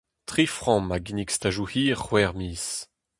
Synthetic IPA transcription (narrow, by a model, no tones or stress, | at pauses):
tχifʁɔ̃maɡinikst̪aʒuhiːʁχwɛʁmiːs